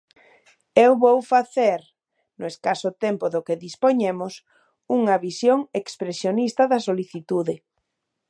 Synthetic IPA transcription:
ewβowfaθeɾ | nʊeskasʊt̪empʊðʊkeðispoɲemʊs | uŋɐβisjoŋekspɾesjonist̪ɐðɐsoliθit̪uðɪ

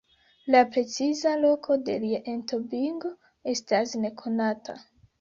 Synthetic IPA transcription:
lapɾe̞t͡sizalo̞kʰo̞de̞liaʔentobiŋɡo | e̞stasne̞kʰo̞natʰa̰

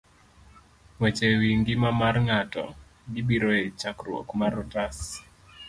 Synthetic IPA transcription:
wɛt͡ʃewiŋɡɪmamarŋatɔ̰ | ɡɪbiɾɔet͡ʃakrwo̰kmaɾɔtas

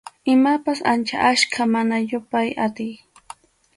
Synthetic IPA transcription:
ɪmapasant͡ʃa̰ʔaʃkʰamanajʊpajat̪ɪj

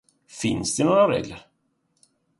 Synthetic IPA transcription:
fɪnsd̪ɛnoːɾaɾḛːɡləɾ

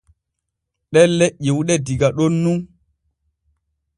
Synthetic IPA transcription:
ɗɛnlːeʔːiwuɗɛdiɡaɗonːun

